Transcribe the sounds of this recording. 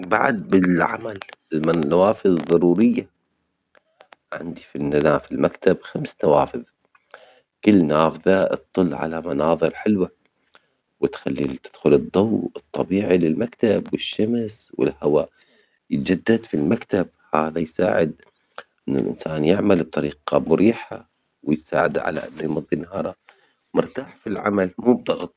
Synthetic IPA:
ba̰ʕd̪̚bɪlʕa̰malɪlmanawaːfɨððˤːɑɾuːɾɪjːa | ʕɪ̰nd̪ifinːalaːfilmakt̪abxamsnawaːfɪð | kɪlːnaːfðat̪ˤːɨlːʕa̰lamɑnɑːðˤɨɾħɪlwa | wɪt̪xalːit̪ɪ̥d̪̥xʊlɨd̪ˤːɑwɨt̪ˤːɑbiːʕilɪlmakt̪abwɪʃːamswɪ̰lhawa | jt̪ad͡ʒad̪ːad̪filmakt̪ab̚haːðajsa̰ːʕɪd̪ | ʔɪnːʊ̰lʔɪ̰nsaːnjɪʕmalb̚t̪ˤɑɾiːqɑmʊɾiːħa̰ | wɪjsa̰ːʕad̪aʕa̰la̰ʔa̰mɾimʊd̪ˤːinːahɑːɾˤɑ | mʊɾt̪aːħfilʕa̰malmuːb̚d̪ˤɑɣt̪ˤ

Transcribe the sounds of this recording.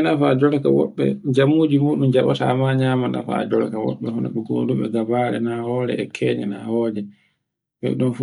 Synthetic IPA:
nafad͡ʒɔɾka̰wɔɓːɛ̰d͡ʒamud͡ʒimuːɗumd͡ʒaɓata̰maɲaːmana̰fa̰d͡ʒɔɾkawɔ̰ɓːɛhɔna̰ɓɛɡo̰ːduɓɛ̰ɡabaːɾɛ̰nahɔːɾɛ̰ɛkʰɛːɲɛnahɔːd͡ʒɛ | ɓɛ̰ɗɔnf

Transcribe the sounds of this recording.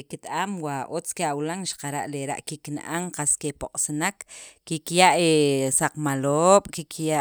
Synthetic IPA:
kit̪ʼamwaʔot͡skeawlaŋʃḁqaɾa̰ʔleɾa̰ʔkikna̰ʔaŋqaskepoqʼsanakːikjaʔesaq͡χmaloːɓ̥kikja

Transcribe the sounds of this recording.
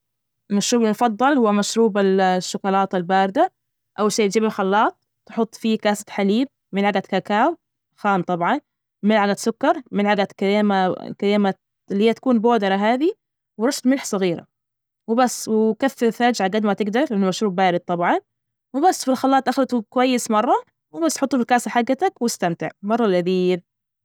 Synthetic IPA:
ɪlmaʃɾuːblinfɑd̪ˤːɑlhʊwːamaʃɾuːbɪlʃːʊkʊlɑːt̪ˤɪlbaːɾɪd̪a | ʔawlʃeːt̪d͡ʒiːbɪlxɑlːɑːt̪̚ˤ | t̪ħʊt̪ˤːfikaːsḁt̪ħaliːb̚ | mɪnʕaɡat̪kakaːw | xaːnt̪ˤɑbʕɑn | mɪlʕalasʊkːɑɾˤmɪnʕaɡakeːmakaleːma | lːhiːat̪ḁkuːnboːd̪ɑɾˤɑɦaːði | wɾˤɑst̪mɪlħsˤɨɣiːɾa̰ | wɪbasːwɪkafːɪɾfad͡ʒʕaɡad̪mat̪ɪɡd̪ɑɾˤʔɪnːmaʃɾuːbbaːɾɪd̪̚t̪ˤɑbʕɑn | wɪbasːfilxɑlːɑːt̪ˤʔaxlat̪ukwajːɪsmɑrˤːɑ | wɪbasːħʊt̪ˤːuːfɪlkaːsaħaɡːat̪akwɪst̪amt̪ɪʕmɑrˤːɑlʔaðiːɾ

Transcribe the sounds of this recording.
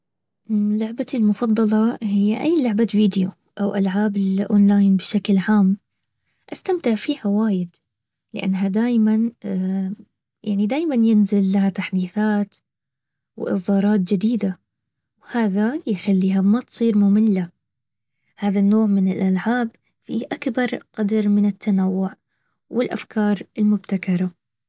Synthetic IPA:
ʔlʊʕbalmʊfɑd̪ˤːɑlɑhɪjːaʔajːlʊʕbaviːd̪jo | ʔawʔa̰lʕaːbɪlʔoːnlaːjnbɪʃaklʕaːm | ʔast̪amt̪ɪʕfiːhawaːjɪd̪ | lɪʔa̰nːɦad̪aːjman | jʔa̰ʕnid̪aːjmanjɪnzɪlːahat̪aħd̪iːθaːt̪ | wʔɪ̰sˤd̪ɑːɾˤɑːt̪̚d͡ʒɪd̪iːd̪a | whaːðajxalːiːɦamat̪sˤiːɾmʊmɪlːa | haːðanːoːʕmɪnɪlʔalʕaːb | fiʔakbɑɾˤqɑd̪ɾˤmɪnɪt̪ːanawːʊʕ | wɪlʔa̰fkʰɑːɾˤɪlmʊbt̪akɑɾˤɑ

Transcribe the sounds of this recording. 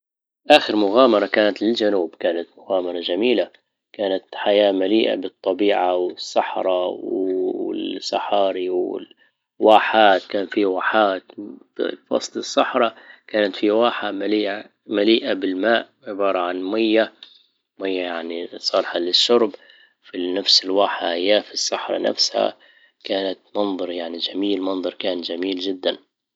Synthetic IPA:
ʔaːxɪɾmʊɣaːmɑɾˤɑkaːnat̪lɪld͡ʒanuːbkaːnat̪mʊɣaːmɑɾˤɑd͡ʒamiːla | kaːnat̪ħajaːmaliːʔa̰bɨt̪ˤːɑbiːʕawɪsˤːɑħɾˤɑwɪ̰sɑħɑːɾiwɪ̰ | waːħaːt̪kaːnfiwaːħaːt̪ | fɑ̰sˤlɨsˤːɑħɾˤɑkaːnat̪fiwaːħamaliːʔa | maliːʔabɪlmaːʔ | ʕɪbɑːɾˤɑʕanmajːa | majːajaʕnisˤɑːlħalɪʃːʊɾˤb | finafsɪlwaːħaʔajːaːfisːɑħɾˤɑ̰na̰fsha̰ | kaːnat̪mɑnðˤɑɾˤjaʕnid͡ʒamiːlmɑnðˤɑɾˤkaːnd͡ʒamiːld͡ʒɪd̪ːan

